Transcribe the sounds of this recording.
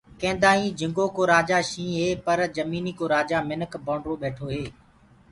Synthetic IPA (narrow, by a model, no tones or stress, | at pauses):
kẽːnd̪aːĩːd͡ʒʱɪ̃ŋɡoːkoːɾaːd͡ʒaːʃĩːɦeːpəɾd͡ʒəmiːniːkoːɾaːd͡ʒaːmɪnəkʰbõːɳɖɾoːɓeːʈʰoːɦeː